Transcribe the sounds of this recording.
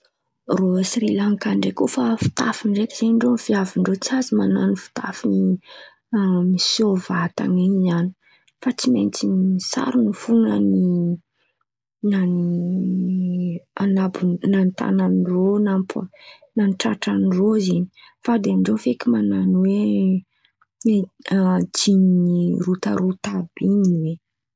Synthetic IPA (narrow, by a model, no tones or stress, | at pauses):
rosiɾilaŋkaɳɖ͡ʐekofafi̥t̪afiɳɖ͡ʐekiz̥eɳɖ͡ʐofiaviɳɖ͡ʐot͡siazimana̰nifi̥t̪a̰fini | amisovat̪a̰niɲani̥ | fat͡simḛnt͡sinisa̰ɾunufunəni | nani | anabunant̪a̰nanironamp | nanʈ͡ʂaʈ͡ʂanirozeni̥ | fad̪eɳɖ͡ʐefekʲimananwe | d͡ʒiniɾut̪a̰ɾut̪abiniwe